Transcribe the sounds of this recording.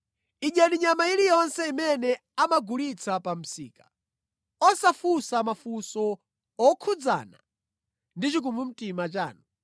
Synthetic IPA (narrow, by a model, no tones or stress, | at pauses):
iɲaɾiɲamailijɔnsɛimɛnɛ | amaɡulit͡sʰapam̩sḭːkḁ | ɔsafusamafusɔ | ɔkʰud͡za̰na̰ | ndit͡ʃik̬umum̩timat͡ʃa̰ːnu